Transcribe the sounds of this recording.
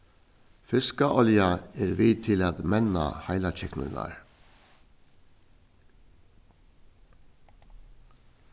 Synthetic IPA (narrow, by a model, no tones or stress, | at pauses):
fɪskəʔɔljɑeːɾʋiːt̪ʰɪlɑːd̪mɛnɑ̰hɑɪlɑt͡ʃʰɛknʊnɑ̰ɾ